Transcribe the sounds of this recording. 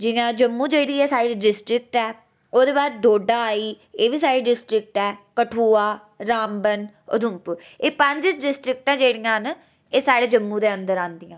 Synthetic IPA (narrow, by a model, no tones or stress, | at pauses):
d͡ʒɪjãːd͡ʒəmːũːd͡ʒeːɽiːɛːsaːɽiːɖɪsʈɾɪk̚ʈɛː | oːd̪eːbaːɾɖoːɖaːaːiː | eːʋiːsaːɽiːɖɪsʈɾɪk̚ʈɛːkəʈʰuːaː | ɾaːmbən | ʊ̰d̪ʊmpʊɾ | eːpə̃ɲd͡ʒt͡ʃɖɪsʈɾɪk̚ʈãːd͡ʒeːɽijãːn | eːsaːɽeːd͡ʒəmːũːd̪eːənd̪əɾãːnd̪ijãː